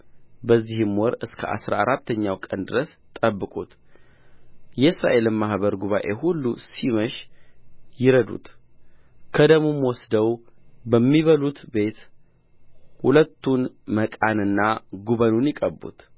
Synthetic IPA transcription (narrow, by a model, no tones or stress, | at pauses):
bəzːihɨmwɔɾɨskʰəʔa̰sɾa̰aɾat̪ːəɲːawkʼənd̪ɨɾəs | t̪ʼəbːɨkʼut̪ | jɛɨsɾa̰ʔe̞lɨmːahbəɾɡuβaʔe̞hulːusiməʃ | jɪɾəd̪ṵt̪ | kʰəd̪əmomwɔsd̪əwbəmːiβəlut̪be̞t̪ | hulət̪ːunməkʼanɨnːaɡuβənunjɪkʼəbːṵt̪